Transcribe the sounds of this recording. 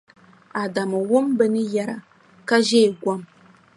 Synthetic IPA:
a˨da˨mɨ˨wʊ˦mbə˦nɨ˦ja˨ɾa̰˨ | ka˦ʒe˦˨ɡʷa˦m

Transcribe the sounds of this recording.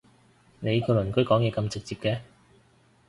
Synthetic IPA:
ne˨˧jkʰɵ˨˧lɵ˨˩nkɵ˨˥kɔː˨˥ŋjɛː˨˧kɐ˧mt͡sɪ˨k̚t͡siː˧p̚kɛː˧

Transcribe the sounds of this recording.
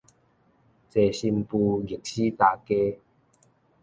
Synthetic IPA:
t͡se˨˧ɕi˧mpu˧ɡi˨˩k̚ɕi˦t̪aː˧ke˦

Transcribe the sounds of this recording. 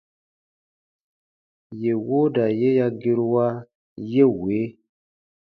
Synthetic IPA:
je˨wo˦da˨je˦ja˦ɡi˦ɾwa˦ | je˦we˨˦

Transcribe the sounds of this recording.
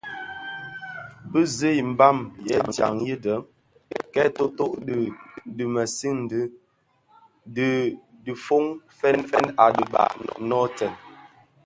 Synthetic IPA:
bə˦zə˦i˨m̩˨ba˦˨mjɛ̰˨˦˨dja̰˨ŋjə˦də˨˦m | kɛ˦to˦to˦ʔddə˨mə˨si˦n̩˨də˦ | də˨ | də˨fo˦ŋfɛ˦nfɛ˦na˨də˨ba̰˨ʔnɔ˦tɛ˨n

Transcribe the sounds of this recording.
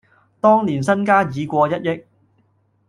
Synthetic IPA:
t̪ɔː˥ŋliː˨˩nsɐ˥nkaː˥jiː˨˧kʷɔː˧jɐ˥t̚jɪ˥k̚

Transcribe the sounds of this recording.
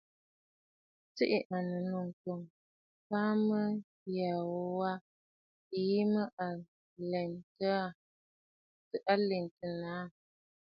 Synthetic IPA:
t͡si˦ʔɪ˨ʔa˨nə˨no˨ŋ˨ko˨ŋ | paː˦mə˦ | ja˨wwa˦ | i˨ji˦mə˦ʔa˨ | lɛ˨ntə˦a˦ | tə˨ʔa˦le˨ŋ˨tə˨naː˨˦˨

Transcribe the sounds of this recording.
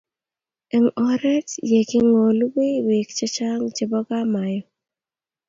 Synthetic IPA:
ɛ˨ŋɔ˦ɾɛ˦tje˨kɪ˦ŋo˨lu˦we˦we˨kt͡ʃa˦t͡ʃa˦ŋt͡ʃɪ˨bɔ˦ɡa˦ma˨jɔ˨

